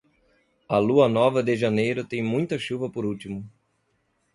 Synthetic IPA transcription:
ɐluɐnɔvɐd̪ɪʒɐnejɾʊt̪ẽj̃mũj̃t̪ɐʃuvɐpoɾut̪imʊ

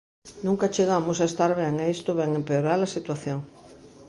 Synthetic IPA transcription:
nũŋkat͡ʃeɣamosaest̪aɾβɛŋeest̪oβɛŋempeoɾalasit̪waθjoŋ

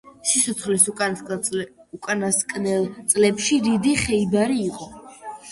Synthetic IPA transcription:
sit̪sʰɔt̪sχlisʼ | ukʼanaskʼnɛlˠt̪sʼlɛpʃiɾid̪iχɛibaɾiːqʼɔ

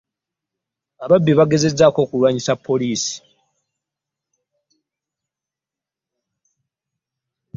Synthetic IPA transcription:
aβabːiβaɡe̞ze̞zːaːko̞ːkulwaɲisapʰːo̞liːsi̥

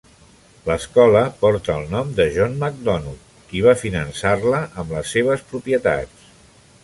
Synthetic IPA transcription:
ləskɔləpɔɾt̪əːlˠnɔmd̪əʒɔnməɡ̚d̪ɔnu | kiβ̞afinənsarləʔəmləsːeβ̞əspɾupiət̪a̰t͡s

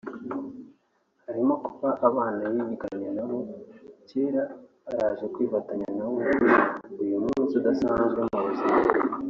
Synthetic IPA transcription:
haɾimokuβaʔaβaːnajiɲikaɲanaβo̞ceːɾaː | ɾaːzekwiːfataɲanaβo | ujumuːnzidasaːnzɡwemaβuzi

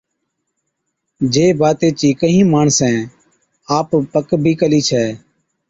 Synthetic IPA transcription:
d͡ʒeːbaːt̪eːt͡ʃiːkəɦĩːmaːɳsɛ̃ː | aːppəkbʱiːkəliːt͡ʃʰɛː

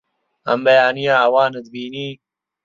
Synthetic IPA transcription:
ɐ̰mbɐjaːnijaawɑːnɐd̪̚biːniː

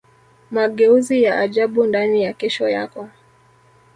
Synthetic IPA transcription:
maɠɛuzijaʔaʄaɓundanijakɛʃɔja̰kɔ

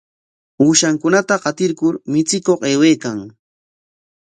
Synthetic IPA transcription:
uːʃaŋkʊnat̪aɢɑt̪ɪɾkʊɾmɪt͡sɪkoqeːweːkaŋ

